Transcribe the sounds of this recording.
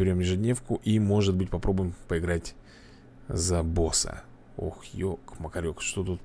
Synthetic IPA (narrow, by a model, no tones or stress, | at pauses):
ɪɾʲo̞mjɪʐɨdʲnʲe̞fkʊʔimo̞ʐɨt̪bɨtʲpɐpɾo̞bʊjɪmpəɪɡɾatʲ | zɐbo̞sə̰ | o̰xjokməkɐɾʲokʂt̪o̞t̪ut̪